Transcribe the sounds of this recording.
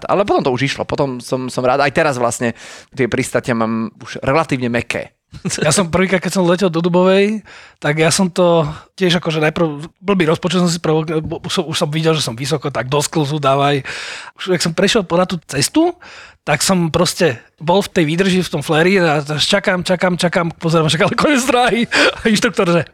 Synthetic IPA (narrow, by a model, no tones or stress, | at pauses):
t̪a̰lɛpɔt̪ɔmt̪ɔuʒiʃlɔ̰pɔt̪ɔmsɔmsɔmɾa̰ːd̪ajt̪ɛɾazʋla̰sɲɛt̪ɪɛpɾist̪acɪamaːmuʒ̥ɾɛlat̪iːʋɲɛmɛkɛ̰ː | jasɔmpr̩ʋiːkɾaːt̪kɛcsɔmlɛcɛlˠd̪ɔd̪ubɔʋɛjt̪aɡjaːsɔmt̪ɔcɪɛʒakɔʒɛnajpr̩ʊbl̩biːɾɔspɔt͡ʃut̪sɔms̬ipɾɔʋɔkusɔmuʃsɔmʋiɟɛlʒɛsɔmʋisɔkɔt̪aɡ̚d̪ɔskluzud̪aːʋajuʃaksɔmpɾɛʃjɛlˠpɔnat̪uːt͡sɛst̪ut̪aksɔmpɾɔscɛ | bɔlft̪ɛjʋiːd̪r̩ʒift̪ɔmflɛɾid̪at̪aʃt͡ʃakamt͡ʃakaːmt͡ʃakamk̚pɔzɛɾamat͡ʃakalɛkɔɲɛzd̪ɾaːɦiainʃt̪ɾuk̚t̪ɔɾʒɛ